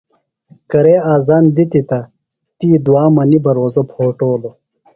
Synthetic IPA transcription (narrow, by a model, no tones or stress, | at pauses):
kɐɾeːaːzaːnd̪it̪it̪ɐ | t̪iːd̪uwaːmɐnibɐɾoːzopʰoːʈoːlo